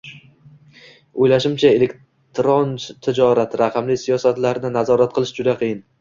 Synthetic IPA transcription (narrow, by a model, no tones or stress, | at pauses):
ojlaʃɪmt͡ʃʰae̞lek | t̪ɾont̪ʰɪd͡ʒɒɾat̪ɾaqʰɑmlɪsijɒsat̪laɾnɪnazɒɾat̪̚qʰɨlˠɪʃd͡ʒʊd̪aqʰɨjɪn